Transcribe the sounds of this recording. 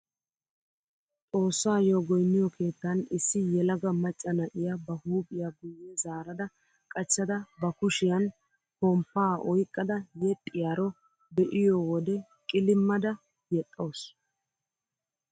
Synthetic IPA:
tʼo̞ːsːaːjoːɡɔjnːɪjɔkʰe̞ːt̪ːɐnɪsːɪjɛlɐɡɐmɐt͡ʃʼːɐnɐʔɪjabɐhuːpʼɪjaɡʊjːɛzaːɾɐd̪ɐ | kʼɐt͡ʃːɐd̪ɐbɐkʊʃɪjɐn | kɔmpːaːʔɔjkʼːɐd̪ɐjɛt̪ʼːɪjaɾɔ | d̪ɛʔɪjɔwɔd̪ɛ | kʼɪlɪmːɐd̪ɐ | jɛt̪ʼːɐws

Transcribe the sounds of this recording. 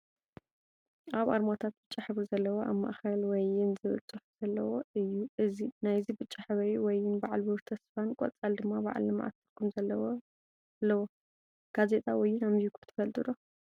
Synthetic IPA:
aβaɾmat̪ʰat̪̚bɨt͡ʃʼːaħɨβɨɾzɐlːɐwoʔaβma̰ʔxɐlwɔjɪnzɨβɨ̰t͡sʼɨħz̥ɐlːɐwoɨjːuʔɨzinajzibɨt͡ʃʼːaħɨβɐɾiwɔjɪnbaʕalbɨɾt̪ʰɐsfankʼɔ̰t͡sʼald̪ɨmːaba̰ʕ̰lɐma̰ʔa̰t̪ːʰɨɾkʰumzɐlːɐwo | lːɐwo | ɡ̥aze̞t̪ʼawɔjːunamzikʰt̪ʰɨ̥fɐlt̪ʼɨɾo

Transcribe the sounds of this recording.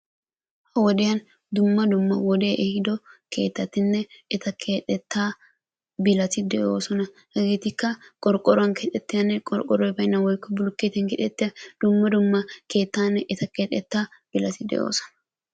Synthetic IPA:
hɐwɔd̪ɪjɐn | d̪ʊmːɐd̪ʊmːɐwɔd̪e̞ːʔɛhɪd̪ɔke̞̰ːt̪ːɐt̪ɪnːɛɪt̪ɐkʰe̞ːt̪ʼːɛt̪ːaː | bɪlɐt̪ɪd̪ɛʔo̞ːsɔnɐ | hɛɡeːt̪ɪkːɐkʼɔɾkʼːɔɾɔwɐnkeːt̪ʼːɛt̪ːɪjɐnːɛkʼɔɾkʼɔɾɔjbɐjɪnːɐwɔjkːɔbʊlʊkːeːt̪ɛnkɪt̪ʼɛt̪ːɪjɐd̪̥ʊmːɐd̪ʊmːɐke̞ːt̪ːaːnːɛʔɪt̪ɐkeːt̪ʼːɛt̪ːaːb̥ɪlɐt̪ɪd̪ɛ̰ʔo̞̰ːsɔ̥nɐ

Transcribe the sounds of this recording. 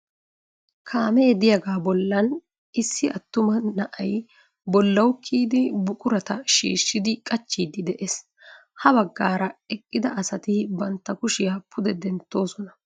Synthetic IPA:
kʰaːmɛjd̪ɪjɐɡaːbɔlːɐn | ɪsːɪʔɐt̪ːʊmɐnɐʔɐj | bɔlːɐwkʰːiːd̪ɪbʊkʼʊɾɐt̪ɐʃḭːʃːɪd̪ɪkʼɐt͡ʃːiːd̪ɪd̪ɛʔes | hɐbɐɡːaːɾɐɛkʼːɪd̪ɐʔɐsɐt̪ɪbɐnt̪ːɐkʊʃɪjɐpʰʊd̪ɛd̪ɛnt̪ːo̞ːsɔnɐ

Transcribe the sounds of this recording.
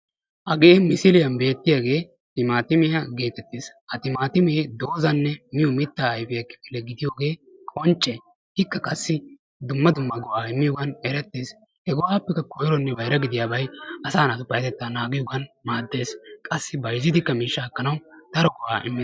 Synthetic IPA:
ʔɐɡeːmɪsɪlɪjɐnbe̞ːt̪ːɪjaːɡe̞ː | t̪ɪmaːt̪ɪmɪjaɡe̞ːt̪ɛt̪ːeːshɐt̪ɪmaːt̪ɪmɛd̪o̞ːzɐnːɛmɪjɔmɪt̪ːaːɐjfɪjɐkːɪ̥pɪlːɛɡɪd̪ɪjoːɡe̞ːkʼɔnt͡ʃʼːɛ | hɪkːɐkʼɐsːɪ | d̪ʊmːɐd̪ʊmːɐɡɔʔaːɪmːɪjɔɡɐnɛɾɛt̪ːeːs | hɛɡɔwaːpːɛkːɐkɔjɪɾɔnːɛbɐjɾɐɡɪd̪ɪjaːbɐjɐsaːnɐt̪ʊpːɐjɐt̪ɛt̪ːaːnaːɡɪjɔɡɐnmaːd̪ːe̞ːskʼɐsːɪbɐjzɪd̪ɪkːɐmiːʃːakːɐnɐwd̪̥ɐɾɔɡɔʔa̰ːʔɪ̰mːɪ

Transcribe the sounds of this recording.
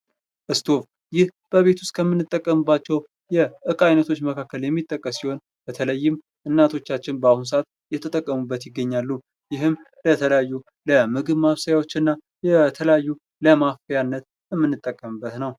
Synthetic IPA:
ʔɨst̪ʰo̞v | jɪhb̥əβe̞t̪ʰust̪̚kʰəmːɨnːɨt̪ʼːəkʼːəmɨbːat͡ʃːɛw | jɛʔɨkʼajnət̪ʰo̞t͡ʃːməkʰakːəljɛmːit̪ʼːəkʼːəsiho̞n | b̥ət̪ʰələjːɪm | ʔɨnːat̪ʰo̞t͡ʃːat͡ʃːɪnbəahuns̬əat̪ | jɛt̪ʰət̪ʼəkʼːəmubːət̪jɪɡːəɲːalːu | jɪɦɨm | lət̪ʰələjajːu | ləmɨɡɨβmaβsəjawo̞t͡ʃːɨnːa | jɛt̪ʰələjajːu | ləmafijanːət̪ | jɛmːɨnːɨt̪ʼːəkʼːəmɨbːət̪nəw

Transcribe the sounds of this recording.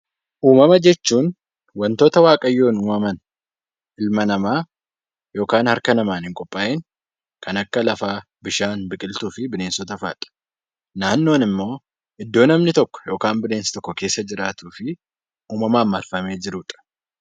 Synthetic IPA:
ʔuːmɐmɐd͡ʒɛt͡ʃːuːn | wɐnt̪oːt̪ɐwaːkʼɐjːoːnuːmɐmɐn | ʔɪlmɐnɐmaː | jo̞ːkaːnhɐɾkɐnɐmaːnhɪŋkʼɔpʼːaːʔeːŋ | kʰɐnɐkːɐlɐfaː | bɪʃaːnbɪkʼɪlt̪uːfɪbɪne̞ːnsɔt̪ɐfaːᶑ̪ʼɐ̥ | naːnːo̞ːnɪmːo̞ː | ʔɪd̪ːo̞ːnɐmnɪt̪ɔkːɔ̥jo̞ːkaːmbɪne̞ːnsɐ̥t̪ɔkːɔke̞ːsːɐd͡ʒɪɾaːt̪uːfɪ | ʔuːmɐmaːmːɐlfɐme̞ːd͡ʒɪɾʊᶑʼɐ̥

